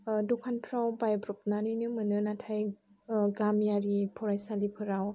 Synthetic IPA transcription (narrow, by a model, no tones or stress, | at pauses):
dɔkʰanpʰɾawbajbɾɔp̚naninɯmɯnɯnatʰaj | ɡamijaɾipʰɔɾajsalipʰɯɾaw